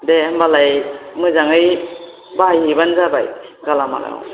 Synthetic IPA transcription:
dembalajmɯzaŋɯj | bajhibanzabajɡalama̰la̰

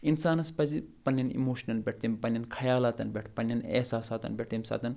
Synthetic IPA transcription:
insaːnɐspɐzipɐnːɐnḭmoːʃɐnɐnbʲeʈ̚ʰt̪impɐnjɐnkʰɐjaːlaːt̪ɐnbʲeʈʰpɐnːɐnḛːsaːsaːt̪ɐ̰nbʲeʈʰt̪imsa̰ːt̪ɐn

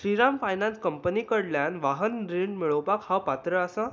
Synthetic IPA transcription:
sɾiɾamfajnanskəmpəniːkəɽljanʋaɦənɾiɳɖmiɭəwpakhapat̪ɾəːsã

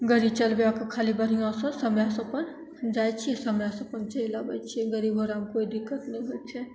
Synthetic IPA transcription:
ɡəɾit͡ʃəlbeakəkʰalibəɾ̤ijãsə̃səmjãsə̃pən | d͡ʒajt͡ʃʰiɛsəmjasə̃pənt͡ʃəilabət͡ʃʰiɛɡəɾibɦoɾamkoid̪ikːət̪nɛ̃ɦot͡ʃʰɛ

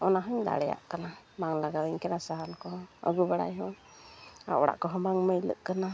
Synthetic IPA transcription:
ɔnaɦɔɲd̪a̰ɽɛja̰ʔkana | maŋlaɡaɾəɲkɛnasaɦalkɔɔə̰ɡubaɽa̰jɦɔ | a̰ʔɔɽa̰ʔkɔɦɔmaŋməjlə̰ʔkana

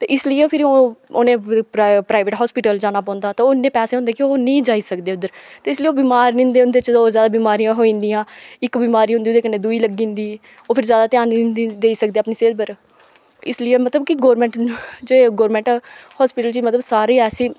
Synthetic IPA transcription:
t̪eːʔɪslɪẽːpʰɪɾoːoːnẽːppɾaːɪʋeːʈɦɔːspɪːʈəld͡ʒaːnaːpɔ̃ːnd̪aːt̪ːoːnːẽːpɛːsẽːɦʊ̃nd̪eːkioːnĩːd͡ʒaːiːsəkd̪eːʊd̪əɾt̪eːɪslɪeːoːbiːmaːɾnɪ̃ːnd̪eːʊnd̪eːt͡ʃoːzjaːd̪aːbiːmaːɾijãːɦoːĩːnd̪ijãːɪkbiːmaːɾiːɦʊndiːʊd̪eːkəneːd̪uiːləɡĩːnd̪iː | oːpʰɪɾzjaːd̪aːt̪ɪaːnnd̪id̪eːiːsək̚d̪eːaːpniːseːd̪bəɾ | ɪ̰slɪjeːmət̪ləbkɪɡoːɾmɛ̃ːɳʈd͡ʒeːɡoːɾmɛ̃ːɳʈːhɔːspɪːʈəlt͡ʃiːmət̪ləbsaːɾiːɛːsiː

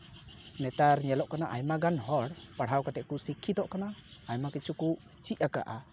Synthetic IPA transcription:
nɛt̪aɾɲɛlɔʔkanaʔajmaɡanhɔɽpaɽ̤awkat̪ɛʔkusikʰːid̪ɔʔkanaːjmakit͡ʃʰuku | t͡ʃiʔaka̰ʔa

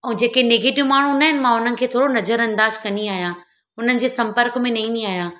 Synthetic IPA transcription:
ɛ̃ːd͡ʑeːkenɪɡeːʈɪʋmaːɳ̤̃ũnɐɦɪnɪ̆mãɦʊn̤ənɪ̆kʰeːt̪ʰoːɽonɐzəɾɐ̃nd̪aːd͡ʑkɐniaːɦijãː | ɦʊn̤ənɪ̆d͡ʑeːsɐ̃mpəɾkmẽnɐĩniaːɦijãː

